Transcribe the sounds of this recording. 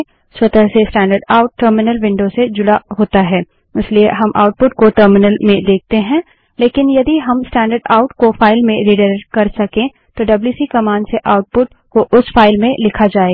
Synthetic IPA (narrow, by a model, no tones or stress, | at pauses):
swɐt̪əɦsesʈɛ̃ːɳɖəɾɖaːʊʈ̚ːəɾmɪnəlʋɪ̃ɳɖosed͡ʒʊɽaɦoːt̪aɦɛː | ɪslieɦɐmʔa̰ːʊʈ̚pʊʈkoʈəːɾmɪnəlmẽd̪eːk̚ʰt̪eɦɛ̃ | leːkɪnjɐd̪iɦɐmsʈɛ̃ːɳɖəɾɖaːʊʈkofaːɪlmẽɾiɖəɾɾkɐɾsɐkẽ | t̪oɖɐbljuːsikɐmaːnseʔaːʊʈ̚pʊʈ | koʔʊsfaːɪlmẽlɪkʰad͡ʒaːeɡ